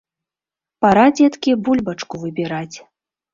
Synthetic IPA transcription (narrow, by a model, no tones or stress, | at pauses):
paɾad͡zʲɛt̪kʲibulʲbɐt͡ʂkuvɨbʲiɾat͡sʲ